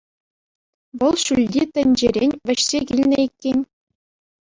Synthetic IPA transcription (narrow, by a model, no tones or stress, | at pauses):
ʋɤ̆lˠɕylʲdʲit̪ɘ̆nʲd͡ʑeɾʲenʲʋʲɘ̆ɕsʲekʲilʲnʲɘikʲːenʲ